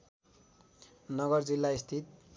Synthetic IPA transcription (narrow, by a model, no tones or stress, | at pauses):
nʌɡʌrd͡zilːaist̪ʰit̪